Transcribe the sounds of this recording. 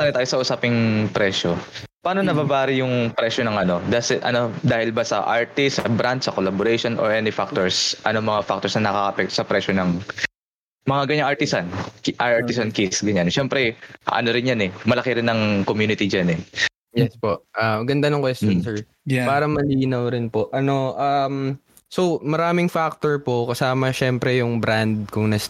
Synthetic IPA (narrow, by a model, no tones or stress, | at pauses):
anɪt̪aːjosɐʔʊsaːpɪŋpɾɛːʃopaːnonɐbabaːɾɪjʊŋpɾɛʃonɐŋʔɐno̞d̪aːsɛʔɐ̰no̞d̪aːhɪlbɐsɐ̰ʔaɹt̪ɪsɐbɾant̪̚sɐkolaboɾejʃonʔo̰ɹʔɛnɪfak̚t̪oɹsʔɐ̰no̞mɐŋafak̚t̪oɹsnɐnɐkakɐ̰ʔpɛk̚t̪osɐpɾɛʃonɐŋ | mɐŋaɡɐɲaŋɐɹt̪ɪsankʔaʔaɹt̪ɪsankisɡɐɲanʃɛmpɾɛʔɐ̰noɾɪnjanɛmɐlɐkɪɾɪnːɐŋkomjuːnɪt̪id͡ʒanɛ | jɛspo̞ʔʔamɡɐnd̪anʊŋkwɛst̪jonsɛɹ | paːɾɐmɐliːnɐwɾɪnpo̞ʔɐno̞ʔam | sowmɐɾaːmɪŋfak̚t̪oɹpo̞kɐsaːmɐʃɛmpɾɛjʊŋbɾand̪̚kʊŋnɐs